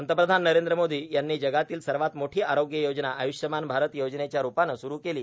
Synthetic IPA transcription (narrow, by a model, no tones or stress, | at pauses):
ənt̪əpɾəd̪ʱanːəɾend̪ɾəmod̪ʱiːjanːiːd͡ʑəɡat̪iːlsəɾʋat̪moʈʰiːaɾoɡjəjod͡ʑnaʔəjuʂjəmanbʱaɾət̪jod͡ʑnet͡ɕjaɾupanːəsuɾuːkeliː